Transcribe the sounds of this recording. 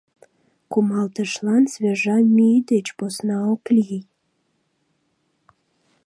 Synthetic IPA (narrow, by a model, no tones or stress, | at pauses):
kumɑlt̪əʃlɑnsβʲeʒɑmyd̪et͡ɕposnɑokli